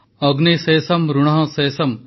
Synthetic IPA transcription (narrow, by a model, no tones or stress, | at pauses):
ɐɡniseːsɐmɾuɽ̃ɐɦɐ̃seːsɐm